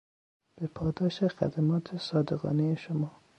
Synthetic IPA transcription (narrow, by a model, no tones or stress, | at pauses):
b̥epʰɒːd̪ɒːʃexæ̰d̪æmɒːt̪ʰesɒːd̪eɣɒ̰ːnejeʃomɒː